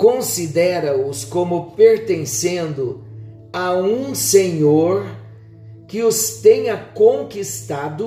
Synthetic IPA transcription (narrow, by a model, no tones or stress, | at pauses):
kõsid̪ɛɾɐʊskõmʊpeɾt̪ẽsẽnd̪ʊ | aũseɲoɾ | kɪʊst̪ẽɲɐkõkist̪ad̪ʊ